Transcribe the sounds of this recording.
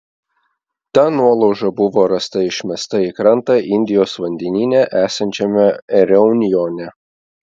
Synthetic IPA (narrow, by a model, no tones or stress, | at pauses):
t̪ɑːnuɔlˠɔʊʒɐbʊʋoːɾɐst̪ɐɪʃʲmʲɛst̪ɐikɾɐnt̪ɐʔɪnʲd̪ʲɪjoːsʋɐnʲd̪ʲɛnʲiːnʲɛʔæːsɐnʲt͡ʃʲɛmʲɛɾʲɛʊnʲɪjoːnʲɛ